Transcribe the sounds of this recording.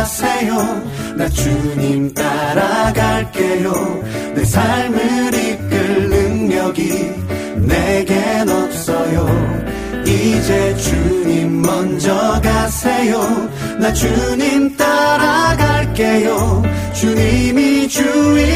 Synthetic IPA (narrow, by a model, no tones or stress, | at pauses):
sʰejo | nat͡ɕuɲimt̪aɾaɡaɭke̞jo | nesʰaɭmɯɾik͈ɯɭnɯŋɲʌɡi | neɡenop̚s͈ʌjo | id͡ʑet͡ɕuɲimːʌnd͡ʑʌɡasʰejo | nat͡ɕuɲimt̪͈aɾaɡaɭk͈e̞jo | t͡ɕuɲimit͡ɕui